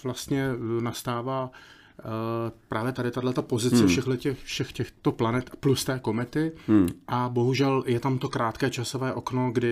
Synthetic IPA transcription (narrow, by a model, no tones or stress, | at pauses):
vlast̪ɲɛnast̪aːvaː | pɾaːvjɛt̪adɪt̪adlɛt̪apo̞zɪt͡st͡sɛfʃɛɣlɛcɛxfʃɛxcɛxt̪oplanɛt̪plust̪ɛːko̞mɛt̪ɪʔabo̞ɦuʒɛljɛt̪amt̪o̞kɾaːt̪kɛːt͡ʃasovɛːʔo̞kno̞ɡdɪ